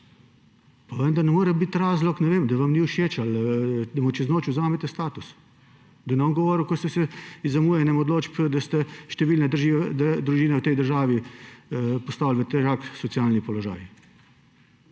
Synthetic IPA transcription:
paʋənd̪ɐɾnɛmoːɾɛbit̪ɾaːzlɔknɛʋeːmd̪ɐʋamniuʃeːt͡ʃald̪ɐmut͡ʃɛznoːt͡ʃuzaːmɛt̪ɛst̪aːt̪us | d̪ɐnɛɔŋɡɔʋɔːɾwkɔsɛsɛizɐmuːjɛnɛmɔd̪loːt͡ʃpd̪ɐst̪ɛʃt̪ɛʋiːlnɛd̪ɾʒid̪d̪ɾuʒiːnɛwt̪ɛjd̪əɾʒaːʋi | pɔst̪aːwlʋət̪ɛɾaksɔt̪siaːlnipɔlɔʒa̰ːji

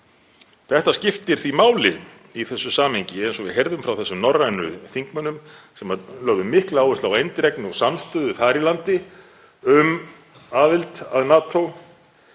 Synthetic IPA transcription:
θɛht̪ascɪft̪ɪɾ̥θimaːwlɪ̰ | iθɛsːʏsaːmheɲcɪɛnsɔvɪ̰çɛɾðʏmfɾawθɛsːʏmnɔrːanʏ̰θiŋkmœnːʏmsɛmalœːɣðʏmːɪhklaːwvʏst̪lawejnt̪ɾɛknɪɔɣsanːst̪œːðʏfaːɾɪlant̪ɪ | ʏm | aːðɪlt̪aðnaːt̪ʰow

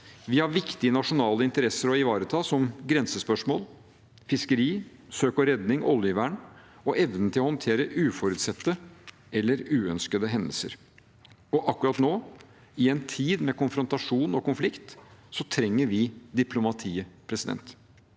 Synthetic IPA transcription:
ʋɪhɑɾʋɪkt̪ɪənɑʂʊnɑːləɪnt̪əɾɛsːəɾɔɪʋɑːɾət̪ʰɑːsɔmɡɾɛnsəspœʂmoːl | fɪskəɾiː | søːkɔɾɛd̪nɪŋʔɔ̰ljəʋæːɳ | ɔʔɛʋnənt̪ʰɪlɔhɔnt̪ʰeːɾəʔʉːfɔɾʉːt̪sɛt̪ːə | ɛlːəɾʉːœnskəd̪əɦɛnd̪əl̩sə̰ɾ | ɔʔɑkːɾɑt̪noː | ɪɛnt̪ʰiːd̪mɛkʊnfɾɔnt̪ɑʂuːnɔkʊnflɪkt̪sɔt̪ʰɾɛŋːəɾʋɪd̪ɪpʰlʊmɑt̪ʰiːəpʰɾɛsɪd̪ɛ̰nt̪

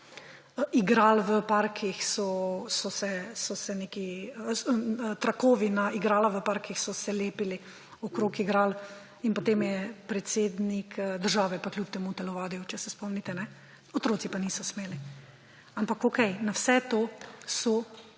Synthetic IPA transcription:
iɡɾaːlʋəpaɾkʰixsɔsɔsɛsɔsɛneːki | t̪ɾakoːʋinaiɡɾaːlaʋəpaɾkixsɔsɛleːpili | ɔkɾokiɡɾaːl | inpot̪emjɛpɾɛt̪seːd̪nikʰd̪əɾʒaːʋɛpaklʲjup̚t̪ɛmut̪ɛlɔʋaːd̪ijut͡ʃɛsɛspɔmnit̪ɛnɛ | ɔt̪ɾoːt̪sipanisɔsmeːli | ampakokɛjnawsɛt̪oːsɔ

